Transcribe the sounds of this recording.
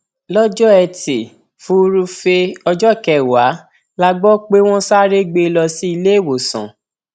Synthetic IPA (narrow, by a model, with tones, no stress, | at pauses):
lɔ˦d͡ʒɔ˦ɛ˧te˨ | fũ˦˧ɾu˧fe˧ɔ˧d͡ʒɔ˦˨kɛ˦˨wa˨˦ | la˧ɡ͡bɔ˦k͡pe˦w̃ɔ̃˦sa˦ɾe˦ɡ͡be˧lɔ˧si˦i˧le˦˨wo˨sã̰˨